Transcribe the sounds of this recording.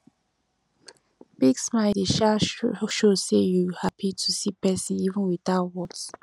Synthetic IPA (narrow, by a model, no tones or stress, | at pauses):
b̥iɡsmaɪliʃaʃosejuhapʰitʰusipɛsĩnivə̃nwiθaʊtwɔt